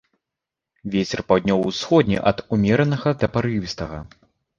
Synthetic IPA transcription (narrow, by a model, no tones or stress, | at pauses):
vʲet͡sʲɛrpawd̪ʲnʲɔwwsxɔd̪ʲnʲḭʔɐd̪umʲɛɾɐnɐɣɐd̪ɐpaɾɨwʲist̪ɐɣɐ